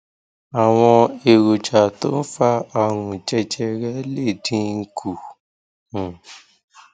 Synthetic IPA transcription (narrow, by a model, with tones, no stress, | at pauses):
a˨w̃ɔ̃˧e˨ɾo˨d͡ʒa˨to˦n̩˦fa˦a˧˨ɾũ˨d͡ʒɛ˧d͡ʒɛ˧ɾɛ˦le˦˨dĩ˧ŋ̩˧kʰũ˨